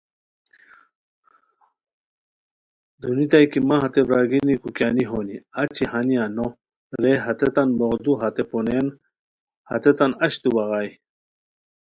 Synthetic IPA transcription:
d̪unit̪ajkimãɦɐt̪ebɾaːɡinikukjaːniɦoːniat͡ɕʰihaniano | ɾeɦɐt̪et̪anboɣd̪uɦɐt̪eponen | hɐ̰t̪et̪anɐɕt̪ubaɣaj

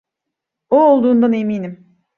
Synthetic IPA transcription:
oolˠd̪uːnd̪aneminim

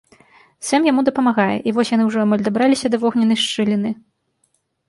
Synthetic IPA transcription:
sɛmjamud̪ɐpɐmaɣajɛ̰ʔivɔsʲjan̪ɨwʐɔamalʲd̪abɾalʲisʲɐd̪ɐvɔɣnʲɐnɐjʂt͡ʂɨlʲinɨ

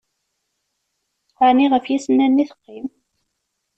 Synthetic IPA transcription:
aniʁəfjisənːænːiθə̥qːim

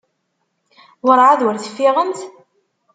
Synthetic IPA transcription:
wəɾˤʕaðwəɾθə̥fːiʁənt̪

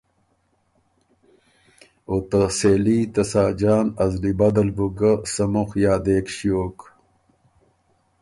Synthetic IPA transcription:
ot̪ɐseːliːt̪ɐsaːd͡ʑaːnɐzlibɐd̪ɐlbuɡɐsɐmuxjaːd̪eːkɕjoːk

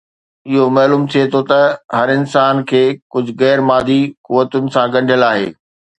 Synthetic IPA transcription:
ɪɦomɐːluːmt̪ʰijet̪ʰot̪ɐɦɐɾɪnsaːnkʰeːkʊd͡ʑʱʊɣɛːɾmaːd̪ʱikʊʋːət̪ʊnɪ̆sãɡɐ̃ɳɖʱijəlaːɦḛː

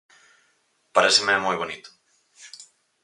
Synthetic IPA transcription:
paɾesɪmeɛmojβonit̪ʊ̥

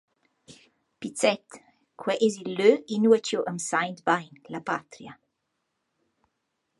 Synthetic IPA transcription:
pit͡sɛt̪ | kʰwɛʔɛzilːøinuət͡ʃjoʔəmsajnt̪bajnlapat̪ɾia

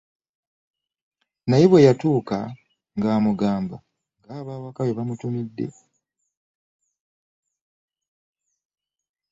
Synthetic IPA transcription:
najeβwe̞jatuːka̰ | ŋɡaːmuɡaːmba̰ | ŋɡaːβaːwakaweβamutumidːe̞̰

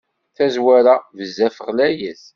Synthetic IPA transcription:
θæzwæɾavəzːæfəʁlæjəθ

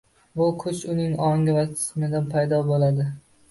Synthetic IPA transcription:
bʊkʰʊt͡ʃʊnɪŋɒŋʲɪvat̪ʰɪ̥smɪd̪anpʰajd̪ɒbolad̪ɪ

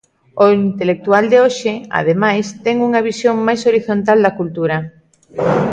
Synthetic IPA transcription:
oint̪elek̚t̪uald̪eoʃɪa̰ð̞emajst̪ɛŋuŋaβ̞isjoŋmajsoɾiθont̪ald̪akult̪uɾa

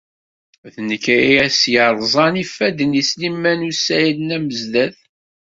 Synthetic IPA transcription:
θnəkːæiæsjəɾˤzˤɑnifːæd̪ənislimːænusæjlnæməzd̪æθ

